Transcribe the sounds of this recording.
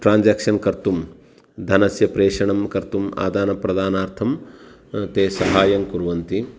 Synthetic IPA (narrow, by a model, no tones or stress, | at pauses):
ʈɾaːnd͡ʒaːkʂɐnkɐɾt̪um | d̪ʱɐnɐsjɐpɾeːʂɐɳɐmkɐɾt̪uma̰ːd̪aːnɐpɾɐd̪aːnaːɾt̪ʰɐm | t̪eːsɐɦaːjɐŋkuɾʋɐnt̪i